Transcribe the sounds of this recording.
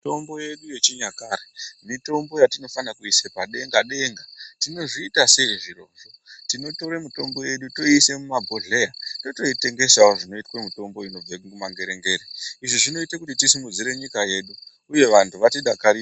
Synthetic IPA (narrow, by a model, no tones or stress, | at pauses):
to̞mbo̞je̞ɗuje̞t͡ʃiɲakaɾemito̞mbo̞jatino̞fanakuisepaɗe̞ŋɡaɗe̞ŋɡatino̞ʐiːtasejʐiro̞ːnʐotino̞to̞ɾemito̞mbo̞je̞ɗuto̞ise̞mumabʱoɮejato̞to̞ite̞ŋɡe̞saoʐino̞itwemito̞mbo̞ino̞b͡vaumaŋɡe̞ɾeŋɡe̞ːɾeiʐiʐino̞itekutitisimud͡ziɾe̞ɲikaje̞ːɗuː | je̞ʋantʰuʋatiɗakaɾi